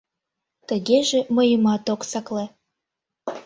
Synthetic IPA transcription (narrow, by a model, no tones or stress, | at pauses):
t̪əɣeʒĕmə̆jəmɑt̪oksɑkle